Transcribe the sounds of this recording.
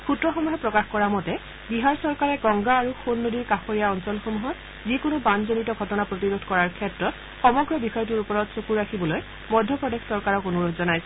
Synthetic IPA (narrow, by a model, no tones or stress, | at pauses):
xʰutɹɔxɔmuɦɛpɹɔkaxkɔɹamɔtɛ | biɦaɹsɔɹkaɹɛɡɔŋɡaːɹuxonːodiɹkaxoɹijaɔnsɔlxomuɦɔt | zikonobanzonitɔɡʱɔtɔnapɹotiɹodʱkɔɹaɹkʰɛtɹɔt | xɔmɔɡɹɔbixɔjɔt̬uɹupɔɹɔtsokuɹakʰibɔloj | mɔjdʱjɔpɹɔdexsɔɹkaɹɔkonoɹoɡzɔnajsɛ